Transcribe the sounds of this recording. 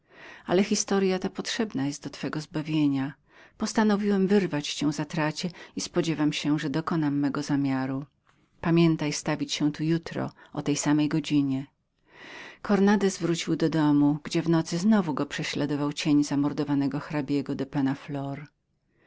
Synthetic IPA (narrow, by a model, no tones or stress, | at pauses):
a̰lɛxʲist̪ɔɾjat̪apɔtʂɛbnajɛst̪̚d̪ɔt̪fɛɡɔzbavʲjeɲa | pɔst̪anɔvʲiwɛmvɘɾvat͡ɕt͡ɕɛw̃zat̪ɾat͡ɕɛispɔd͡ʑɛvamɕɛʐɛd̪ɔkɔnamːɛɡɔzamʲjaɾu | pamʲjɛnt̪ajst̪avʲit͡ɕɕɛ̃t̪ujut̪ɾɔ̰ʔɔ̰t̪ɛjsamɛjɡɔd͡ʑiɲɛ | kʰɔɾnad̪ɛsvɾut͡ɕiwd̪ɔd̪ɔmuɡ̥d͡ʑɛvnɔt̪sɘznɔvuɡɔpʂɛɕlad̪ɔvawt͡ɕeɲzamɔɾd̪ɔvanɛɡɔxɾabʲjɛɡɔd̪ɔpanaflɔɾ